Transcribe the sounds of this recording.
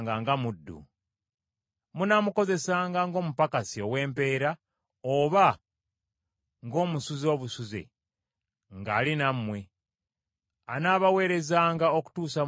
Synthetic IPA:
ŋɡaŋɡamudːṵ | munamuko̞ze̞saːŋɡaŋɡo̞ːmupakasio̞we̞ːmpe̞ːɾa | oβa | ŋɡo̞ːmusuzo̞ːβusuze̞̰ | ŋɡaːlinamːwe̞ | anaːβawe̞ːɾe̞zaːŋɡaoku̥tuːsa

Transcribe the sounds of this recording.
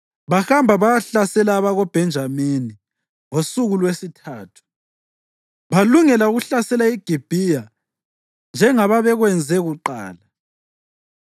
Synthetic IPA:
βaxambʱaβaɬasɛlaːβaɣɔb̥ʱɛnd͡ʒʱamini | ŋosuɣulwesitʰaːtʰu̥ | βaluŋɛlauɣuɬasɛlaiɡ̥ʱib̥ʱija | nd͡ʒʱɛŋaβaβɛɣwɛnd͡zʱɛɣuǃa̰ːla

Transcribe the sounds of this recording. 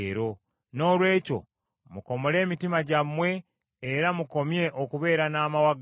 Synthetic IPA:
ɾo | no̞ːlwe̞ːco̞̰ | muko̞mole̞ːmitimaɟamwe̞ː | ɾamuko̞mje̞ʔokuβe̞ːɾanaːmawaɡ

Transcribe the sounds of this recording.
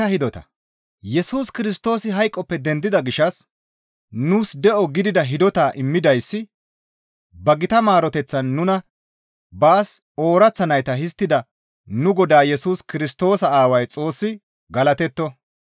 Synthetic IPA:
ɐhɪd̪ɔt̪ɐ | jɛsuːskɪɾɪs̬t̪o̞ːsɪɦɐjkʼːɔpːɛd̪ɛnd̪ɪd̪ɐɡɪʃɐs | nuːsd̪ɛʔɔɡɪd̪ɪd̪ɐɦɪd̪ɔt̪aːʔɪmːɪd̪ɐjsːɪ | bɐɡɪt̪ɐmaːɾɔt̪ɛt͡sːɐnːʊnɐ | baːs | o̞ːɾɐt͡sːɐnɐjt̪ɐɦɪs̬t̪ːɪd̪ɐ | nʊɡɔd̪aːjɛsuːskɪɾɪst̪o̞ːsɐaːwɐjt͡sʼo̞ːsːɪ | ɡɐlɐt̪ɛt̪ːɔ

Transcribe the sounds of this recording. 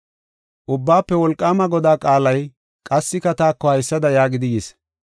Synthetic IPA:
ʔʊbːaːpːɛwɔlkʼːaːmɐɡɔd̪aːkʼaːlɐj | kʼɐsːɪkɐt̪aːkːɔhɐjsːɐd̪ɐjaːɡɪd̪ɪjeːs

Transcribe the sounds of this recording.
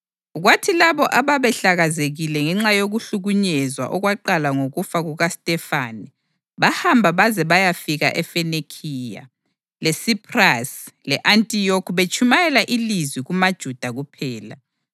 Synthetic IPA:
ɣwatʰilaβɔʔaβaβɛɬaɣazeɣilɛŋɛŋ͡ǁajoɣuɬuɣuɲɛzwa̰ʔɔɣwaǃalaŋoɣufaɣuɣastʼɛfaːni | βahambʱaβazɛβajafiɣa̰ʔɛfɛnekʰiːja̰ | lɛsipʰʼraslɛʔantʼijokʰβet͡ʃʼumajɛlaʔilizwiɣumad̥ʒ̥ʱud̥ʱaɣupʰɛːla̰

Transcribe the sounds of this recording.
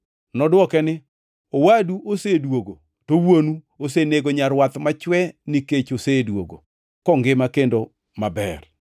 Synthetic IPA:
nɔdwɔkɛnɪ | owaduʔosedwoɡo | towonu | oseneɡoɲaɾwat̪mat͡ʃwɛnɪket͡ʃosedwo̰ɡo̰ | kɔŋɡɪmakendo | mabɛ̰r

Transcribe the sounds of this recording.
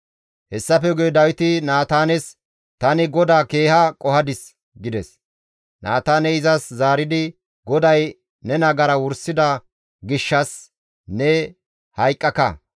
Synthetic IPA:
hɛsːɐfɛɡɛjd̪ɐwɪt̪ɪnaːt̪aːnɛs | t̪ɐnɪɡɔd̪aːke̞ːhɐkʼɔhɐd̪ɪs | ɡɪd̪ɛs | nʔaːt̪aːnɛɪzɐszaːɾɪd̪ɪ | ɡɔd̪ɐj | nɛnɐɡɐɾɐwʊɾsːɪd̪ɐ | ɡɪʃːɐs | nɛ | hɐjkʼːɐkɐ̰

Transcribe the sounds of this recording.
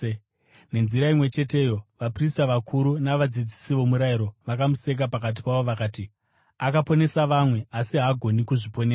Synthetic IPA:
ne̞nziɾaimwe̞t͡ʃe̞te̞ːjo̞ʋapristaʋakʰuɾunaʋad͡zid͡zisiʋo̞muɾajiɾo̞ʋakamuse̞k̬apakat̬i̥paʋo̞ʋakaːti | akapo̞ne̞saʋamwe̞asiɦaːɡʱo̞nikuʐipo̞neːsa

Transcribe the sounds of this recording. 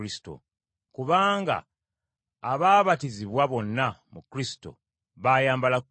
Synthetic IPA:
isi̥to̰ | kuβaːŋɡa̰ː | βaːβatiziβwaβo̞nːamukɾisi̥to̞̰ | βaːjaːmbala

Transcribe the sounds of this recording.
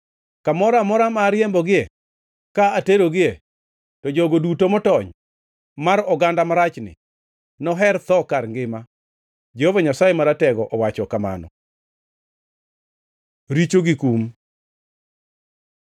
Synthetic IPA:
kamɔɾamɔɾamaɾjɛmbɔɡɪe | kaateɾoɡɪe | tɔd͡ʒɔɡodutomɔtɔɲ | maɾɔɡandamaɾat͡ʃnɪ̰ | nɔɦɛrt̪ɔkaɾŋɡɪma | d͡ʒɛhɔvaɲasajemaɾatɛɡɔʔɔwat͡ʃɔkama̰nɔ̰ | ɾit͡ʃoɡikum

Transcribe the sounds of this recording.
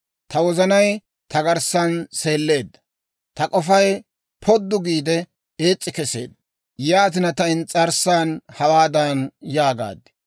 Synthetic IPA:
t̪ɐwɔzɐnɐj | t̪ɐɡɐɾsɐnse̞ːlːe̞ːd̪ːɐ̥ | t̪ɐkʼɔfɐj | pʰɔd̪ːʊɡiːd̪ɛ | e̞ːt͡sʼːɪkɛse̞̰ːd̪ːɐ | jaːt̪̬ɪnɐt̪ɐɪnt͡sʼɐɾsaːnhɐwaːd̪ɐnjaːɡa̰ːd̪ɪ̥

